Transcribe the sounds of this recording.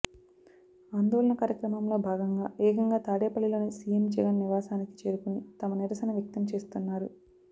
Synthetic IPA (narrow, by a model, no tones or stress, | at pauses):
aːnd̪oːlɐnɐkaːɾjɐkɾɐmɐmlo̞ːbʱaːɡɐŋɡaːɛːkɐŋɡaːt̪aːɽeːpɐɭːilo̞ːneːsijemd͡ʒɛɡɐnːiʋaːsaːniki̥t͡ʃe̞ːɾukunit̪ɐmɐniɾɐsɐjnɐʋjɐk̚t̪ɐmt͡ʃe̞ːst̪unːaːɾu